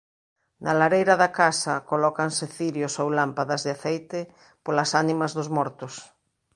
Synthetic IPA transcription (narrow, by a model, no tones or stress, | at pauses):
nalaɾejɾɐðakasɐkolɔkanseθiɾjosowlampaðɐzðɪaθejt̪ɪ | polasanimɐzðʊzmɔɾt̪ʊs